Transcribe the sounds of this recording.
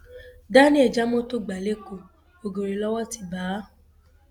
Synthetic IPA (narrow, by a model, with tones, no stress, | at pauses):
da˦nĩ˦ɛ˨d͡ʒa˦mɔ̃˦to˦ɡ͡ba˨le˦ko˧˨ | o˨ɡo˨ɾe˨lɔ˦wɔ˦ti˦baː˨˦